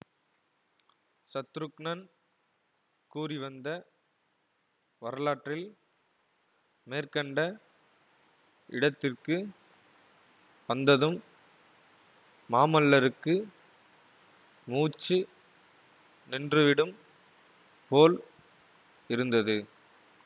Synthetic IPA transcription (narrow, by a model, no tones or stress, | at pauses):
sɐt̪ːɾɯkɳɐn | kuːriʋɐnd̪ɐ | ʋɐɾɐlaːʈrɪl | meːrkɐɳɖɐ | ɪɽɐt̪ːɪrkɯ | ʋɐnd̪ɐðɯm | aːmɐlːɐɾɯkːɯ | muːt͡ʃːɯ | nɪndrɯʋɪɽɯm | poːl | ɪɾɯnd̪ɐðɯ